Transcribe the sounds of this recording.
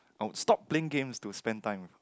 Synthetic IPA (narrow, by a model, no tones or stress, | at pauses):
ʔawustɔp̚pːleɪ̃ŋɡẽmstuspɛ̃ntãɪ̃m